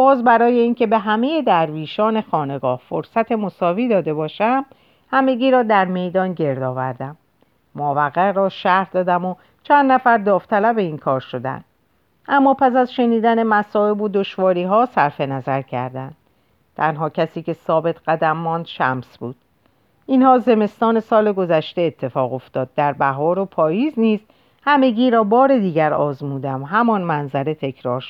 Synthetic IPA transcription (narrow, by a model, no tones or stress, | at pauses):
b̥ɒːzbæɾɒːje̞iːncʰe̞be̞ɦæmejed̪æɾviːʃɒːne̞xɒːne̞ɡɒːhfoɾsæt̪ʰe̞mo̞sɒːviːd̪ɒːd̪e̞bɒːʃæm | hæme̞ɟiːɾɒːd̪æɾme̞jd̪ɒːnɟe̞ɾd̪ɒːvæ̰ɾd̪æmː | ovæɣæɾɒːʃæhɾd̪ɒːd̪æmo | t͡ʃʰænd̪næfæɾd̪ɒːft̪ʰælæbe̞inkʰɒːɾʃo̞d̪æ̰nd̪̥ | ʔæmːɒːpʰæsæzʃe̞niːd̪æne̞mæsɒːe̞bod̪o̞ʃvɒːɾiːɦɒːsæɾfe̞næzæɾcʰæ̰ɾd̪ænd̪̥̚ | t̪ʰænɦɒːcʰæsiːce̞sɒːbe̞t̪ʰɢæd̪æmːɒːnd̪̥ʃæ̰msbuːd̪̥̚ | ʔinhɒːze̞me̞st̪ɒːne̞sɒːle̞ɡo̞zæʃt̪e̞ːt̪ʰːe̞fɒːɣo̞ft̪ɒːd̪̚ːæɾbæɦɒːɾopʰɒːjiːzniːs | hæme̞ɟiːɾɒːbɒːɾe̞d̪iːɟæɾɒːzmuːd̪æmɦæmɒnmænzæɾe̞t̪ʰe̞kʰɾɒːɾʃ